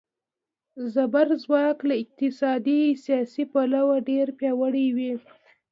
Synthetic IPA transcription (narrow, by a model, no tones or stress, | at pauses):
zabaɾzwɑklaɪq̚t̪ɪsɑd̪isijɑsipalawaɖeɾpjɑwəɽiwi